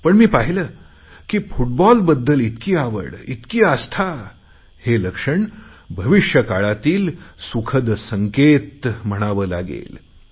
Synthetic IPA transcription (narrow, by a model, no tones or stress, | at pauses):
pəɳmiːpaɦiləː | kiːfuʈ̚bɔlbəd̪ːəlit̪kiːaʋə̰ɽit̪kiːast̪ʰa | heləkʂəɳbʱəʋiʂjəkaɭat̪iːlsukʰəd̪səŋket̪m̤əɽ̃aʋəːla̰ɡḛl